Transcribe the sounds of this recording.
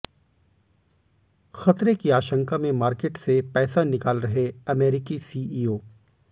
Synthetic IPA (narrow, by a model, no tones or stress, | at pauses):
xɐt̪ɾekiaːʃə̃ŋkamẽmaːɾkeːʈsepɛːsanɪkaːlɾɐɦeɐmɛːɾɪkisiːiːoː